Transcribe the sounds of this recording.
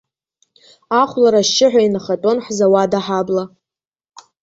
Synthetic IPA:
aχʷlaɾaʃt͡ʃɪħʷᶣainaχatʼo̞nħzawadaħabla

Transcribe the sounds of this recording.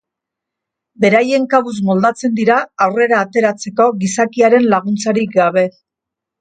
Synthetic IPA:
be̞ɾaje̞ŋkaβus̬mo̞ld̪at͡se̞nd̪iɾaawre̞ɾaːt̪e̞ɾat͡se̞ko̞ɣisakiaɾe̞nlaɣ̞unt͡saɾik̚ɡaβ̞e̞

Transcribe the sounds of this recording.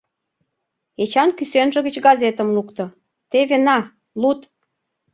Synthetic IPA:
et͡ɕɑnkysønʒə̆ɣət͡ɕɡɑzet̪ə̆mlukt̪ɤ̆ | t̪eβenɑ | lut̪

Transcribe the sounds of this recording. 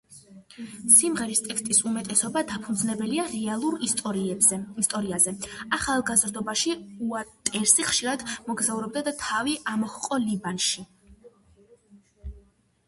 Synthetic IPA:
simʁɛɾist̪ʼɛkst̪ʼisumɛt̪ʼɛsɔbad̪apʰund̪zlɛbɛliaɾɛalˠuɾʼ | ist̪ʼɔɾiazɛaχalˠɡazɾd̪ɔbaʃiuat̪ʼɛɾsiχʃiɾad̪mɔɡzauɾɔb̚d̪ad̪at̪ʰaviʔamɔhqʼɔlibanʃi

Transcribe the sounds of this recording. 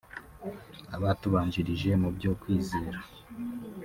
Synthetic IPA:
aβatuβaːɲd͡ʒiɾiʒe̞mubɟo̞ːkwiːze̞ːɾa

